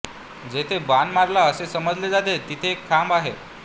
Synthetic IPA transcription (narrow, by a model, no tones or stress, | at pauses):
d͡zet̪ʰebanmaɾlaəsesəməd͡zled͡zad̪et̪it̪ʰeːkʰːambaɦḛ